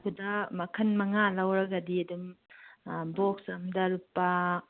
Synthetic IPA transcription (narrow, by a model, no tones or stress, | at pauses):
kʰudɐmɐkʰɐnmɐŋalɐwɾɐɡɐdiɐdum | boksɐmdɐɾupːɐ